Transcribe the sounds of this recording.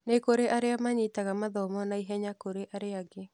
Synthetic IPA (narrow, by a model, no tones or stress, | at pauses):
nekoɾeʔaɾeamaɲitaɣamaðɔmɔnaiɦɛɲakoɾeʔaɾeaɡe